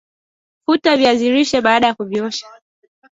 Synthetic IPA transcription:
futaviaziɾiʃɛɓaːɗajakuviɔʃḁ

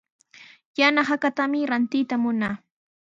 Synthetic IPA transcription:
janaχakat̪amɪɾant̪ɪjt̪amʊnaː

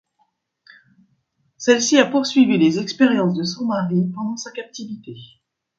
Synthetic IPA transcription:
sɛlsiapuʁsɥivilezɛkspɛʁjɑ̃sd̪əsɔ̃maʁipɑ̃d̪ɑ̃sakap̚t̪ivit̪e

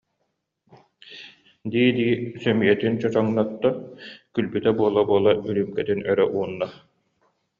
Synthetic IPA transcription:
d̪iːd̪iːsœmijɛt̪int͡ɕɔt͡ɕɔŋnɔt̪ːɔkylbyt̪ɛbuɔlˠabuɔlˠayɾymkɛt̪inœɾœʔuːnːa

